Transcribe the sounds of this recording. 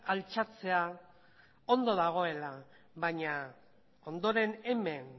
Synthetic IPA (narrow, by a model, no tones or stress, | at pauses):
alt͡sat͡se̞a | o̞nd̪o̞ðaɣ̞o̞e̞la | βaɲa | o̞nd̪o̞ɾe̞ne̞me̞n